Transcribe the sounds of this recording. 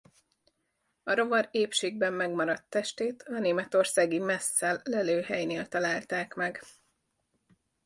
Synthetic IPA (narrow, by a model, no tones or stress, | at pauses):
ɒɾo̞vɒɾeːpʃeːɡ̚bɛmːɛɡmɒɾɒt̪ːɛʃt̪eːt̪ʰɒneːmɛt̪orsaːɡimɛsːɛlːɛløːɦɛjneːlt̪ɒlaːlt̪aːkmɛɡ